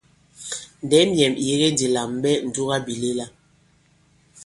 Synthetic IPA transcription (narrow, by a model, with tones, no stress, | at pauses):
n˨dɛ˨˦mjɛ˨mi˨je˨˦ɣe˦n˦di˨la˨mɓɛ˦n̩˨du˦ɣa˦bi˨le˦la˦